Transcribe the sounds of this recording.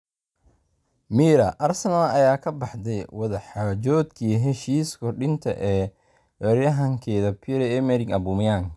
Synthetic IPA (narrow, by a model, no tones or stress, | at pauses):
miːɾɐʔɐrsɐnalɐjaːkʰɐbɑħd̪ɛjwɐðɐħaːd͡ʒɔːd̪kʰiːɦɛʃiːskʰɔrɖɪnt̪ʰɐ̰ʔɛː | wɛɾjɐɦɐŋkʰɛːðɐpʰiɾɛɛmɛɾɪŋɐbuːmɪjaːŋ